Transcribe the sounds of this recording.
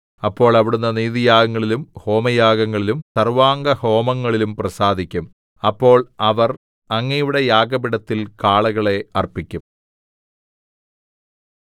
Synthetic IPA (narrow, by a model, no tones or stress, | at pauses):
ɐpːo̞ːɭɐʋiɽunːɐniːðijaːɡɐŋːɐɭilumho̞ːmɐjaːɡɐŋːɐɭilumsɐrʋaːŋɡɐho̞ːmɐŋːɐɭilumprɐsaːd̪ʱikʲːum | ɐpːo̞ːɭɐʋɐr | ɐŋːɐjuɽejaːɡɐbiɽɐt̪ːilkaːɭɐɣɐɭe̞ɐrpikʲːum